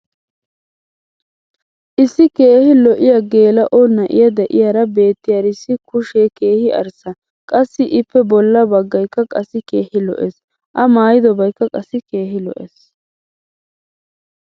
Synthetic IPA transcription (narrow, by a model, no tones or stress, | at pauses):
ʔɪsːɪkeːhɪlɔʔɪjɐɡe̞ːlɐʔɔnɐʔɪ̰jɐd̪ɛʔɪ̰jaːɾɐbe̞ːt̪ːɪjɐɾɪsːɪkʊʃeke̞ːhɪʔɐ̰ɾsɐ | kʼɐsːɪʔɪpːɛbɔlːɐbɐɡːɐjkːɐkʼɐsːɪkeːhɪlɔ̰ʔes | ʔɐmaːjɪd̪ɔbɐjkːɐkʼɐsːɪke̞ːɦɪlɔ̰ʔes